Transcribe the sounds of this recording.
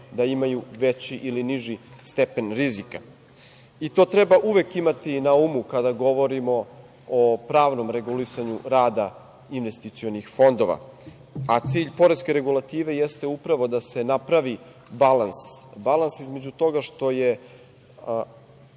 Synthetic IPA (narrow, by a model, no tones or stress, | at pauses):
d̪aimajuʋet͡ɕiʔiliniʒist̪e̞pe̞nɾizika | it̪o̞ːt̪ɾebaʔuʋekimat̪inaumukad̪aɡo̞ʋo̞ɾimo̞ | opɾaːʋno̞mɾe̞ɡulisaɲuɾaːd̪a | inʋe̞st̪it̪sio̞nixfo̞nd̪o̞ʋa̰ | at̪siːʎpo̞ɾeske̞ɾe̞ɡulˠat̪iːʋe̞jest̪e̞upɾaʋo̞d̪ase̞napɾaʋi | balansbalansizme̞d͡ʑut̪o̞ɡaʃt̪o̞je̞